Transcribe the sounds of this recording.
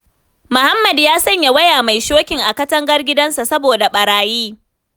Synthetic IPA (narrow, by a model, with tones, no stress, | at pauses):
mʊ˨ha˦mːɐ˨djaː˦sɐ˦ɲja˨wɐ˦jaː˨ma˨jʃoː˦kʲɪ˨ŋʔa˨kɐ˦tɐ˦ŋɡɐ˦rɡʲɪ˦dɐ˦nsa˨sɐ˦boː˨da˨ɓɐ˨ɾaː˨jiː˦